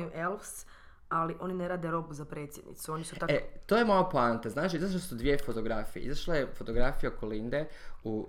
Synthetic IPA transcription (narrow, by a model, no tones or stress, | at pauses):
juʔelfs | aliʔo̞nineɾaːd̪eɾo̞buzapɾe̞ːt̪sjed̪nḭt̪suo̞nisuaet̪oːjemoaplant̪aznaːt͡ʃiizaʃ̬lasud̪ʋie̞fot̪o̞ɡɾafijḛḭzaʃlajefot̪o̞ɡɾafijaokolind̪eu